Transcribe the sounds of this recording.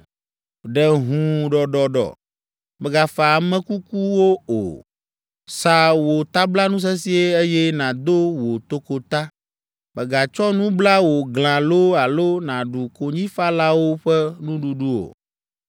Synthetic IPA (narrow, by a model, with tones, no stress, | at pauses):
ɖɛ˨ɦũ˨ɖɔ˨ɖɔ˨ɖɔ̰˨ | mɛ˨ɡa˨fa˨mɛ̃˦ku˦ku˦wo˦o̰˨ | sa˨wo˨t̪a˦bla˦nũ˦s̬ɛ˦si˦e˦e˦jɛ˦nã˨d̪o˦wo˨t̪o˦ko˨t̪a˦ | mɛ˨ɡa˨t͡ʃɔ˦nũ˦bla˦wo˨ɡl̃ã˨lo˦a˨lo˦nã˨ɖu˨ko˨ɲĩ˦fa˦la˦wo˦ɸɛ˦nũ˦ɖu˨ɖu˦o̰˨